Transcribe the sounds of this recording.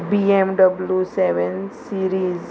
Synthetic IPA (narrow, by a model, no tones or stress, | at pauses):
biemɖəbljuseʋensiɾiːz